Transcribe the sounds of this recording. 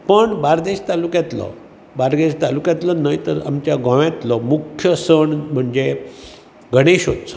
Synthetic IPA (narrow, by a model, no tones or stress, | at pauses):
pəɳbaɾd̪eɕt̪alukjãt̪lɔ̰ | baɾɡ̪eɕt̪alukjãt̪lɔnajt̪əɾa̰mt͡ɕjaɡə̃ʋjãt̪lɔmukʰjəsəɳm̤əɳd͡ze | ɡʱəɽ̃eɕɦot̪sɔ̥